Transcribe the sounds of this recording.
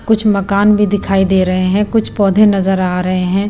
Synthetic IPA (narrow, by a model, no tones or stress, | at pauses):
kʊt͡ʃʰmɐkaːnbʱid̪ɪkʰaːid̪eːɾɐɦeɦɛ̃kʊt͡ʃʰpɔːd̪ʱenɐzəɾaːɾɐɦeɦɛ̃ː